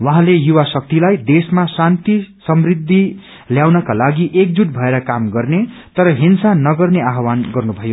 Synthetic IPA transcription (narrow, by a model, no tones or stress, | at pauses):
wʌɦãlejuwasʌk̚t̪ilajd̪esmasant̪isʌmrid̪ʱːi | ljawnʌkalaɡiʔek̚d͡zuʈ̚bʱʌeɾʌkamɡʌrnet̪ʌɾʌɦinsanʌɡʌrneaɦwanɡʌrnubʱʌjo